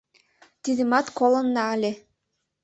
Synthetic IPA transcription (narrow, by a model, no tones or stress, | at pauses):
t̪id̪ʲɘmɑt̪kolˠɤ̆nːɑːlʲe